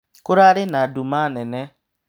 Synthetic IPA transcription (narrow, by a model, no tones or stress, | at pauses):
kʊɾaɾɪnadumanene